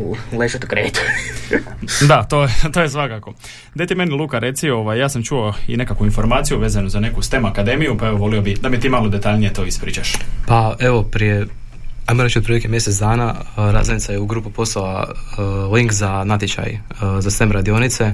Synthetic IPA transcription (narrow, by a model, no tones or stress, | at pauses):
leʒot̪kɾḛːt̪u̥ | d̪at̪o̞ːjet̪o̞jesʋakako̞ | d̪et̪ime̞nilˠuːkaɾe̞t̪sio̞ʋajjaːsamt͡ʃuoḭne̞kakʋuinfo̞ɾmaːt̪sijuʋe̞ːzanuzane̞kust̪e̞makad̪e̞mijupae̞ʋoʋo̞liobid̪amiet̪iːmalo̞d̪e̞t̪aʎnije̞t̪o̞ːispɾḭːt͡ʃaʃpaeʋo̞pɾije | ajmoɾe̞t͡ʃot̪pɾilikʲemje̞set̪d̪aːnaɾa̰zenit̪sajeuɡɾuːpupo̞sala | liŋkzanat̪it͡ʃa̰j | zast̪emɾad̪io̞nit̪se̞